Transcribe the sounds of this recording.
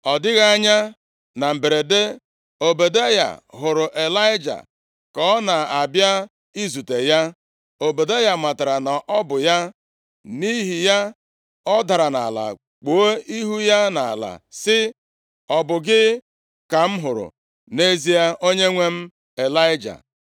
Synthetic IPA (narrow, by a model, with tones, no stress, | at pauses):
ɔ˨dɪ˦ɣa˦a˦ɲa˦ | na˨m̩˨be˨ɾe˨de˦ | o˨be˨de˦ja̰˨ɦʊ˨ɾʊ˨ʔe˨la˦ɪ˦d͡ʒa̰˨ | kɔ˦na˨a˨bja˦ | i˦zu˨te˨ja˦ | o˨be˨de˦ja˨ma˨ta˨ɾa˨na˨ʔɔ˦bʊ˨ja˦ | ni˦ɦi˨ja˦ | ɔ˦da˨ɾa˨na̰˨la̰˨ | k͡po˨˦o˦i˦ɦu˦ja˦na̰˨la̰˨sɪ˦ | ɔ˨bʊ˨ɡɪ˦ | ka˨m̩˦ɦʊ˨ɾʊ̰˨ | ne˦zi˦ja˦ʔo˦ɲe˦ŋʷe˦m̩˦ | e˨la˦ɪ˦d͡ʒa̰˨